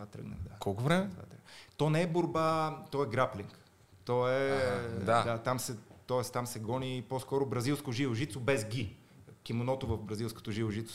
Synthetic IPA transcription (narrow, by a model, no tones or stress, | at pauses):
vat̪ɾə̰ɡnə̰d̪akʰɔlˠkʊvɾɛmɛt̪va̰t̪ɾəɡt̪ɔnɛɛboɾbat̪ɔɛɡɾapliŋk | t̪ɔɛd̪ad̪at̪amsɛt̪ɔɛst̪amsɛɡɔniposkɔɾʊbɾɐzilˠskoʒivoʒit̪sobɛzɡʲi | kʲimonɔt̪ovɐfbɾɐzilˠsko̥t̪oʒivoʒit̪s